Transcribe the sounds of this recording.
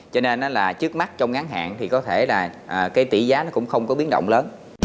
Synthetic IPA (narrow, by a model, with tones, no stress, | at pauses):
t͡ɕɔ˧ne˧nʔaː˨˦laː˨˩t͡ɕɨ˦˥ək̚ma˦˥k̚t͡ɕɔ˧wŋ͡mɣa˨˦ŋɦa̰ː˧˨nt̪ʰi˨˩kɔ˨˦t̪ʰe˧˩laː˨˩ʔəː˨˩kaː˨˦jt̪i˧˩zaː˨˦nɔ˨˦˥kʊ̰˧˥ŋ͡mxə˧wŋ͡mkɔ˨˦ɓi˨˦ən̚ɗə̰˧˨wŋ͡mləː˨˦n